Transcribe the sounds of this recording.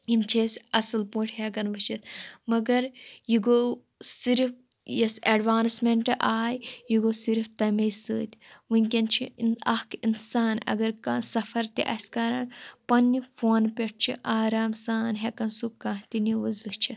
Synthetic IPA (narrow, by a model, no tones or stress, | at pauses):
imt͡ʃʰesʲɐsɨlpũːʈʰhekɐnʋɨt͡ʃit̪mɐɡɐɾjiɡoː | siɾf | jɐsɐːɖʋaːnsmeɳʈɨʔaːjjiɡoːsiɾft̪ɐmɐjsɨːt̪ʲʋɨnʲkʲɐnt͡ʃʰiɐhkinsaːnɐ̰ɡɐɾkɐsɐfɐɾt̪ḭʔɐsʲkaːɾaːnpɐnʲːifoːnpʲeʈ̚ʰt͡ʃʰiʔaːɾaːmsaːnɦekɐnsukãɦt̪iniʋuzʋɨkt͡ʃʰi